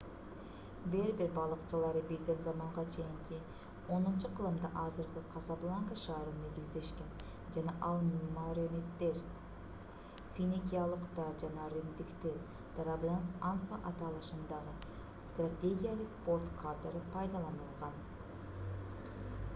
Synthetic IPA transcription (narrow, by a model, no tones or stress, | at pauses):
beɾbɪɾbɑlˠəqt͡ʃɑlˠɑɾəbeselʲzɑmɑɴʁɑt͡ʃʰejɪŋkʲʰɪ | wo̞nənt͡ʃəqʰəlˠəmd̪ɑʔɑzɪɾɡʲɪqʰɑzɑblˠaŋkəʃɑːɾəmeɡ̪ʲɪld̪e̞ʃkʲe̞n | ʒænɑʔɑlˠnumɑɾemet̪ːe̞ɾ | fʲinikʲijalˠəqt̪ɑɾʒɑnɑɾɪnd̪ɪkt̪ɪ | d̪̥ɾablʲant̪anfaʔɑt̪ɑlˠɑʃənd̪ɑʁə | st̪rat̪ʲe̞ɡʲijalˠəqpo̞ɾt̪kʰat̪eɾəpʰɑjd̪ɑlˠɑnəlˠʁɑn